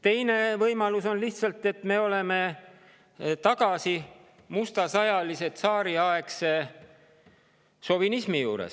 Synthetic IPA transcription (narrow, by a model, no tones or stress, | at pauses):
t̪e̞jne̞vɤjmɑluso̞nliht̪sɑlt̪ːˑe̞t̪me̞o̞le̞me̞ | t̪ɑɡ̥ɑsi | must̪ɑsɑjɑlise̞t̪sɑːɾiɑekse̞ | so̞vinismijuːɾḛs